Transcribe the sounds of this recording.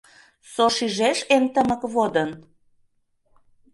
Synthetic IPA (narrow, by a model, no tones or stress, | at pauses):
soʃiʒeʃent̪əmə̆kβod̪ə̆n